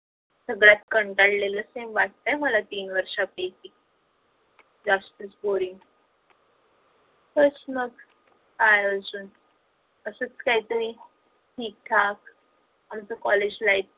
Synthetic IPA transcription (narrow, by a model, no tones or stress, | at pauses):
səɡɭjat̪kəɳʈaɽlelasemʋaʈ̚t̪ajməlat̪iːnʋəɾʂabesik̚ | d͡zast̪ət͡sboɾiŋ | hət͡sməɡ | ajəd͡zuːn | əsət͡skaɦit̪əɾiː | ʈʰiːk̚t̪ʰak | ɦamt͡səkɔled͡ʑlajt̪̚